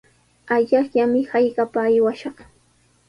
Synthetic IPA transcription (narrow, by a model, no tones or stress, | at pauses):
aʎaχʎamɪhajɢapaːjwaʃɑχ